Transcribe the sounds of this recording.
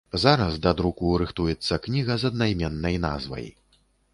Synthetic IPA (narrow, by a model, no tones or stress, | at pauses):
zaɾɐzd̪ɐd̪ɾukuɾɨxt̪ujɛt̪sːɐknʲiɣɐzɐd̪̚najmʲɛnːɐjna̰zvɐ̰j